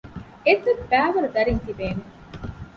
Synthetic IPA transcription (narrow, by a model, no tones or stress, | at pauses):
et̪ːɐbæːʋɐɾud̪ɐɾiŋt̪ibeːme